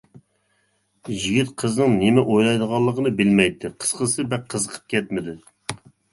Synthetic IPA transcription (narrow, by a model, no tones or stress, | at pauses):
ʒiɡʲit̪qʰəznɨŋnɪmɛʔojlˠɑjd̪əʁɑlˠːəqʰənɨbɪlmɛjt̪ːɪqʰə̥sqəsɨbɛk̚ʲqʰːəzəqʰə̥p̚kʲɛt̪mɪd̪ɪ